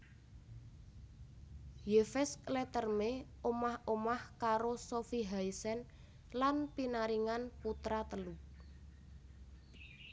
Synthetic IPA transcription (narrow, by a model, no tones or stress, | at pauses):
jefɛsklɛt̪ərme | omahomahkaɾosofiɦaisɛn | lanpinaɾiŋanput̪ɾat̪əlu